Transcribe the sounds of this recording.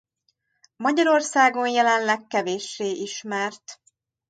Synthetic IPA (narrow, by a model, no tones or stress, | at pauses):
mɒɟɒɾo̞rsaːɡo̞njɛlɛnlɛkːɛveːʃːeːʔiʃmɛrt̪